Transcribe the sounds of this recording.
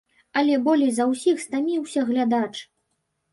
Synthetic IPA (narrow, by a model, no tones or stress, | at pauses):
ɐlʲɛbɔlʲɛjzɐwsʲixst̪amʲiwsʲɐɣlʲad̪at͡ʂ